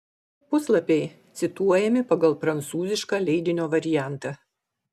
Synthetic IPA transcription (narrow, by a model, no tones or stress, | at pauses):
pʊslˠɐpʲɛɪ | t̪sʲɪt̪uɔjɛmʲɪpɐɡɐlˠpɾɐnt̪suːzʲɪʃkɑːlʲɛɪd̪ʲɪnʲoːʋɐɾʲɪjæˑnt̪ɑː